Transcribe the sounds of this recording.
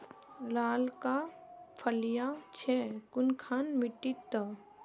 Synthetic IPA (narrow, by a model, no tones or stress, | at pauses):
laːlkapʰəljat͡ʃʰɛkʊnkʰaːnmiʈːit̪ːə